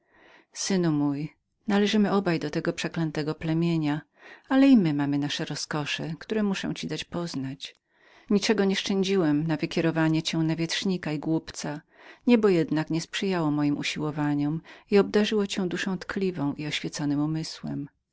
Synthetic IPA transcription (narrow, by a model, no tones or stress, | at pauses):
sɘnumuj | nalɛʐɘmɘɔbajd̪ɔt̪ɛɡɔpʂɛklɛnt̪ɛɡɔplɛmʲjeɲa | alɛimɘmamɘnaʂɛɾɔskɔʂɛkt̪uɾɛmuʂɔ̰̃w̃t͡ɕid̪at͡ɕpɔznat͡ɕ | ɲit͡ʂɛɡɔɲɛʂt͡ʂɛɲd͡ʑiwɛmnavɘkʲɛɾɔvaɲɛt͡ɕɛ̃navʲjɛtʂɲikaiɡwupt̪sa | ɲɛbɔjɛd̪nakɲɛspʂɘjawɔmɔjimʔṵɕiwɔvaɲɔmiɔb̚d̪aʐɘwɔt͡ɕɛ̃w̃d̪uʂɔ̃w̃t̪kʰlʲivɔ̃w̃ʔiɔɕfʲjɛt̪sɔnɘmumɘswɛ̰m